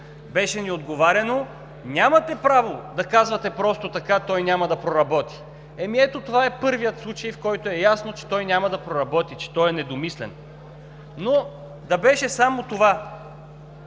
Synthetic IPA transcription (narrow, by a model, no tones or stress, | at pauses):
bɛʃɛniod̪ɡovaɾʲɛno | nʲamɐt̪ɛpɾavod̪ɐkazvɐt̪ɛpɾɔst̪ot̪ɐkat̪ɔjnʲamɐd̪ɐpɾoɾɐbɔt̪i̥ | ɛmiɛt̪ot̪ovaɛpɤɾvijət̪slˠut͡ʃɐjfkɔjt̪oɛjasnot͡ʃɛ̥t̪ɔjnʲamɐd̪ɐpɾoɾɐbɔt̪it͡ʃɛ̥t̪ɔjɛnɛd̪omislɛnː | o | d̪ɐbɛʃɛsamot̪ova